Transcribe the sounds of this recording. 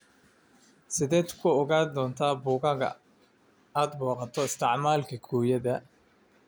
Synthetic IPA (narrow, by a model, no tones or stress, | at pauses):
sɪðɛːt̪kʰʊɔɣaːd̪ɔːnt̪ʰaːbʊːɣɐɣɐ̰ | aːd̪̚buːqɑt̪ʰɔɪst̪ʰɪʕmaːlkʰɐɡʰuːjɐðɐ